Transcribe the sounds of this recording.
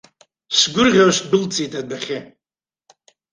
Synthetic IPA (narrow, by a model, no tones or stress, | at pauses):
sɡʷʊrʁʲaʂbɨlt͡sʰʼitʰʼadaχʲe